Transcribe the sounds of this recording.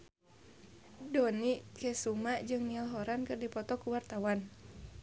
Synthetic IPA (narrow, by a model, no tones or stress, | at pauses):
dɔniʔkɛsumaʔd͡ʒɨŋnialɦɔɾankɨrdipɔt̪ɔkuwart̪awan